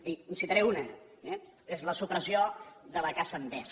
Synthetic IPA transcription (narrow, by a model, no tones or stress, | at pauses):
insit̪əɾɛunə | ɛ | ezləsupɾəzioðələkasəmb̪ɛs